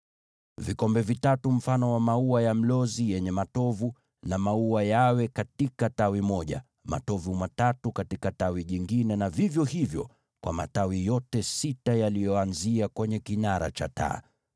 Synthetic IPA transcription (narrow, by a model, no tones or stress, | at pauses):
vikɔmbɛvitatum̩fanɔwamauajam̩lɔzijɛɲɛmatɔvu | namauajawɛkatikatawimɔʄa̰ | ma̰tɔvumatatukatikatawiʄiŋɡinɛnavivjɔhivjɔ̰ | kwa̰ma̰tawijɔtɛsitajalijɔanziakwɛɲɛkinaɾa̰t͡ʃa̰ta̰ː